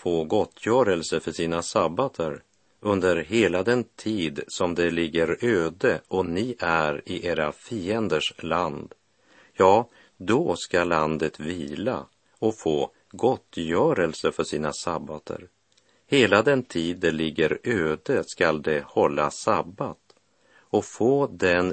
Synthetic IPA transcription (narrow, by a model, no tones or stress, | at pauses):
foːɡɔt̪ʰːjœːɾəlsəfœʂiːnasabat̪ʰəɾ | ɵnd̪əɾɦeːlad̪ɛnt̪ʰiːd̪sɔmd̪ɛlɪɡːəɾøːd̪əʔɔnɪʔæɾɪʔeːɾafiːɛnd̪əʂland̪ | jɑː | d̪ɔskaland̪ət̪viːla̰ | ɔfoː | ɡɔt̪ːjœːɾəlsəfœʂiːnasabːat̪ʰə̰ɾ | heːlad̪ɛnt̪ʰiːd̪ːɛlɪɡːəɾøːd̪əskald̪ɛhɔlːa̰sabːat̪ | ɔfoːd̪ɛn